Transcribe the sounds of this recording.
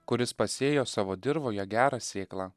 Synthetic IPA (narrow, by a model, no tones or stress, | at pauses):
kʊɾʲɪspɐsʲeːjoːsɑːʋoːd̪ʲɪɾʋoːjɛɡʲæːɾɑːsʲeːklˠɑː